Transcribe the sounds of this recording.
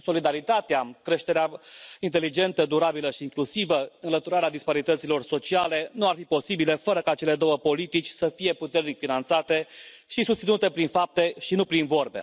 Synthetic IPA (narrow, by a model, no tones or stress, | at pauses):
so̞lid̪aɾit̪at̪eakɾe̞ʃt̪e̞ɾeaint̪e̞lid͡ʒe̞nt̪əd̪uɾabiləʃiːŋklusivəɨnlət̪uɾaɾead̪ispaɾit̪ət̪silo̞rso̞t͡ʃiale̞nuarfipo̞sibile̞fəɾəkat͡ʃe̞le̞d̪o̞wəpo̞lit̪it͡ʃʲsəfije̞put̪e̞rnikfinant̪sat̪e̞ | ʃisust̪sinut̪e̞pɾinfap̚t̪e̞ʃinupɾinvo̞rbe̞̰